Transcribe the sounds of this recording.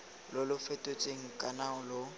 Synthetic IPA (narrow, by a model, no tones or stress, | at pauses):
lʊlʊfetʼot͡sʼeŋ̩kʼanaʊlʊ